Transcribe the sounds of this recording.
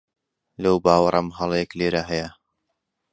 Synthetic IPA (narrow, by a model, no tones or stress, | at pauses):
lɐwbaːwɐɾˤɐmɦɐlˠjɛkleːɾaɦɐjɐ